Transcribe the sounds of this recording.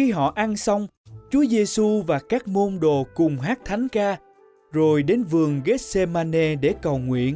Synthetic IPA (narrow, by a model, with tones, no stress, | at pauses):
i˧ɦɔ̰˧˨ʔa˧nsa˧wŋ͡mt͡ɕu˨˦əze˧su˧vaː˨˩kaː˦˥k̚mo˧nɗo˨kʊ˨˩ŋ͡mɦaː˦˥k̚t̪ʰa˨˦jŋ̟kaː˧ | zo˨˩jɗe˨˦nvɨ˨˩əŋɣe˦˥t̚se˧maː˧ne˧ɗe˧˩kə˨˩wŋwḭ˧˨ən